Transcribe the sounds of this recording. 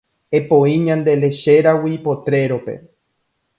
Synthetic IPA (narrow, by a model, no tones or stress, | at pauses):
e̞põĩɲãnd̪e̞le̞ʃe̞ɾawipo̞t̪ɾe̞ɾo̞pe̞̰